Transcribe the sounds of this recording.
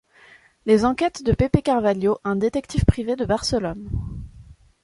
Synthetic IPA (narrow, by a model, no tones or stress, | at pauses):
lezɑ̃kʲɛt̪d̪əpepekaʁvaljoʔɛ̃d̪et̪ɛkt̪ʰifpχived̪əbaʁsəlɔn